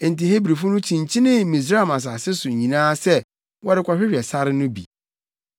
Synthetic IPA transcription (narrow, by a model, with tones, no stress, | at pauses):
n̩˨tɪ˨he˦bɾi˨fʊ˦nʊ̃˦t͡ɕʰĩ˨ɲ̩˨t͡ɕʰi˦nɪ̃˦˨mĩ˨s̬ɾa˦a˨mã˨s̬a˨sɪ˦sʊ˨ɲĩ˨nãː˦sɛ˦ | wɔ˦ɾɪ˦kʷa˨ɕᶣɪ˦hᶣɛ˨sa˦ɾɪ˦nʊ̃˦bḭ˨